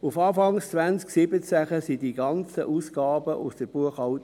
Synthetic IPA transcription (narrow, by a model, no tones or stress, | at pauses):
ufɑːfɑŋst͡sʋænsksɪbət͡sæχəsidiɡɑnt͡səʔuːsɡ̥ɑːbəʔʊsd̥əb̥uəχɑwt